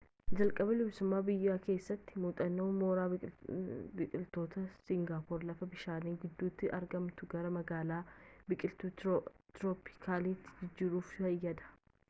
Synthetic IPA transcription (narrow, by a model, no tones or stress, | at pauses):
d͡ʒɐlkʼɐbɐlɪbsʊmːaːbɪjːaːke̞ːsːɐt̪ːɪmuːt̪ʼɐnːoːmo̞ːɾaː | bɪkʼɪlt̪ːo̞ːt̪ɐsɪŋɡaːpoːɾlɐfɐbɪʃaːniːɡɪd̪ːuːt̪ːɪʔɐɾɡɐmt̪ʊɡɐɾɐmɐɡaːlaːbɪkʼɪlt̪ut̪ɾoːpɪ̥kʰaːleːt̪ːɪ̥d͡ʒɪd͡ʒːɪɾuːfhɐjɐd̪ɐ̥